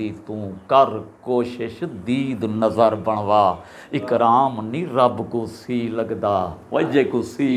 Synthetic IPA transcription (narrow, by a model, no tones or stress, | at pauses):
iːt̪ũːkəɾkoːʃɪʃd̪iːd̪nəzəɾbəɳ̃ʋaː | ɪkɾaːmnĩːɾəbkũːsiːləɡd̪aːʋəd͡ʒeːkusiː